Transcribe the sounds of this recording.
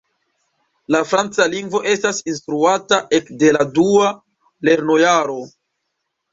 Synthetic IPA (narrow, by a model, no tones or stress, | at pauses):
lafɾant͡saliŋɡvo̞ʔe̞stasinstɾuataʔe̞kde̞ladua | le̞ɾno̞jaɾo̞